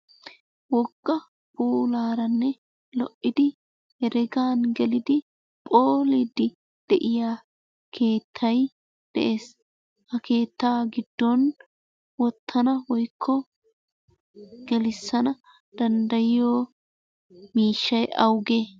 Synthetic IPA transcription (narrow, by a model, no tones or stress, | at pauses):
wɔɡʼːɐ | buːlaːɾɐnːɛ | lɔʔːɪd̪ɪ | hɛɾɛɡaːnɡɛlɪd̪ɪ | pʼoːlid̪ɪ | d̪̥ɛʔɪjaː | kʰe̞ːt̪ʰːɐj | d̪̥ɛ̰ʔe̞ːs | hɐkʰe̞ːt̪ːaːɡɪd̪ːɔn | wɔt̪ʰːɐnɐwɔjkʰːɔ | ɡ̥ɛlɪsːɐnɐ | d̪̥ɐnd̪ɐjɪjoː | miːʃːɐjʔɐwɡeː